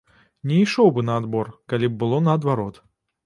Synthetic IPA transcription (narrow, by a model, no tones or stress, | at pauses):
nʲɛiʂɔwbɨnɐːd̪bɔrkalʲib̚bɨlˠɔnɐːd̪vaɾɔt̪